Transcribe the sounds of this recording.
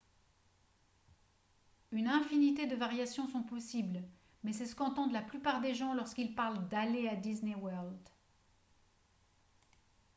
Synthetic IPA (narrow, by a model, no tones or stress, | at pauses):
ynɛ̃finit̪ed̪əvaʁjasjɔ̃sɔ̃pɔsibl | mɛsɛsə̥kɑ̃t̪ɑ̃d̪laplypaʁd̪eʒɑ̃lɔʁskilpaʁld̪alead̪iznewœʁld̪